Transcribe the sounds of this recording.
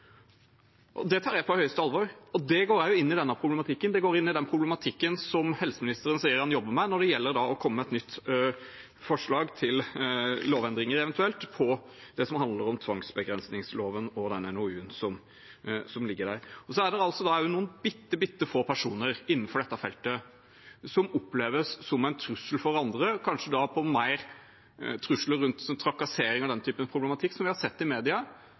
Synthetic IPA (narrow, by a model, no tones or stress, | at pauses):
ʔɔ̰d̪ɛt̪ʰɑːɾjæɪpʰɔhœʏəst̪əɑlʋɔɾɔd̪ɛɡoːɾjæɪjʊɪnːɪd̪ɛnːəpʰɾʊblɛmɑt̪ʰɪkːənd̪ɛɡoːɾɪnːɪd̪ɛnpʰɾʊblɛmɑt̪ʰɪkːənsɔmhɛlsəmɪnɪst̪əɾənsiːəɾhɑnjɔbːəmɛnɔɖɛjɛlːəɾɖ̪ɑɔkʰɔmːəɛt̪nʏt̪ː | fɔʂɭɑːɡt̪ʰɪlloːʋɛnd̪ɾɪŋəɾɛʋɛnt̪ʉɛlt̪pʰɔ | d̪̥ɛsɔmɦɑnd̪ləɾɔmt̪ʰʋɑŋsbəɡɾɛnsnɪŋsloːʋənɔd̪ɛnɛnʊʉːnsɔm | sɔmlɪɡːəɖæɾɔsɔæɖɛɾɑltsɔd̪ɑjʊnuːənbɪt̪ːəbɪt̪ːəfoːpʰæʂuːnəɾɪnːn̩fɔɖɛt̪ːɑfɛlt̪ə | sɔmɔpːleːʋəsːɔmæɪnt̪ʰɾʉsəlfɔɾɑnd̪ɾəkʰɑnʂəd̪ɑpʰɔmæɪɾ | t̪ʰɾʉsləɾʉnt̪sɔnt̪ʰɾɑkɑseːɾɪŋɑd̪ɛnt̪ʰyːpənpʰɾʊblɛmɑt̪ʰɪkːsɔmʋɪhɑɾsɛt̪ːɪmeːd̪ɪɑ